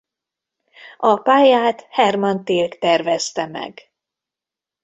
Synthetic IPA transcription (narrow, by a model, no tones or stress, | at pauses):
ɒpaːjaːt̪hɛrmɒnt̪eːlkt̪ɛrvɛst̪ɛmɛ̰ɡ